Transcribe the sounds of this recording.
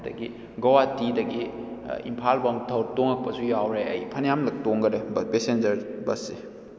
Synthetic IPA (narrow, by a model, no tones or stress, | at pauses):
dɐ̰ɡi | ɡɐwatidɐɡiḭmpʰalbɐmtʰɐwɾtoŋɐk̚pɐsujawɾeɐjpʰɐnjamlɐk̚toŋɡɐdɐpesend͡ʒɐɾbɐsːe